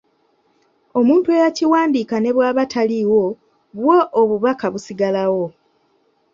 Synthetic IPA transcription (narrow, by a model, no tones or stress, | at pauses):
o̞muːntue̞jaciwaːndiːkane̞βwaːβatʰaliwo̞ | βwoʔoβuβakaβusiɡalawo̞